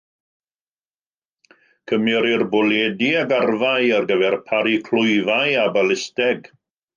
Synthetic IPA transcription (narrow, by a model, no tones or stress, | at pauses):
kʰəmjɔɾɪrbɔlɛdiaɡarvaɨarɡəvɛrpʰaɾikʰl̥ʊɨvaɨabalɪstɛɡ